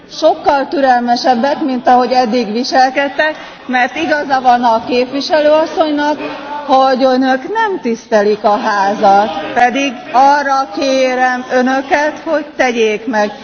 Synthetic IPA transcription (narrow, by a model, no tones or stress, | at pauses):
ʃo̞kːɒlt̪yɾɛlmɛʃɛbːɛkmint̪ɒɦo̞ɟɛd̪ːiɡʋiʃɛlkɛt̪ːɛk | mɛrt̪iɡɒzɒvɒnɒkeːpʋiʃɛløːɒsːo̞ɲnɒkhoɟønøknɛmt̪ist̪ɛlikɒɦaːzɒt̪pɛd̪iɡ | ɒrːɒkeːɾɛmønøkɛt̪ho̞ɟt̪ɛɟeːkmɛɡ